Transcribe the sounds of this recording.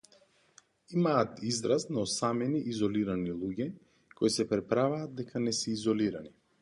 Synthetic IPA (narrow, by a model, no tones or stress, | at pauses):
imaːt̪izd̪ɾast̪naɔsamɛniʔizɔliɾanilˠuɟɛ | koisɛpɾɛpɾavaːd̪̚d̪ɛkʰanɛsɛizɔliɾani